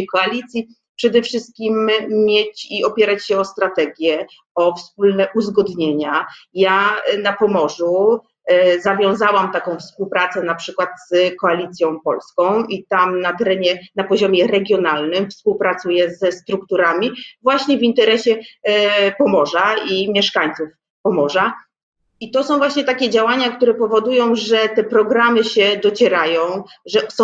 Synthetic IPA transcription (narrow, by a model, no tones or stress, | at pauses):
kɔalʲit̪sʲji | pʂɛd̪ɛfʂɘst̪̚kʲimːʲjet͡ɕiɔpʲjɛɾat͡ɕɕɛɔst̪ɾat̪ɛɡʲjɛ | ɔfsp̚ulnɛʔuzɡɔd̪ɲeɲajanapɔmɔʐu | zavʲjɔ̃w̃zawamt̪akɔ̃w̃fspuwpɾat̪sɛnapʂɘkwat̪z̥kɔalʲit̪sʲjɔ̃w̃pɔ̰lskɔ̃w̃it̪amnat̪ɛɾɛɲɛnapɔʑɔmʲjɛɾɛɡʲjɔnalnɘmfspuwpɾat̪sujɛzɛst̪ɾukt̪uɾamʲivwaɕɲɛvint̪ɛɾɛɕɛ | pɔmɔʐaimʲjɛʂkaɲt̪suf | pɔmɔʐa | it̪ɔsɔ̃w̃vwaɕɲɛt̪akʲɛd͡ʑawaɲakt̪uɾɛpɔvɔd̪ujɔ̃w̃ʐɛt̪ɛpɾɔɡɾamɘɕɛd̪ɔt͡ɕɛɾajɔ̃w̃ʐɛsɔ̃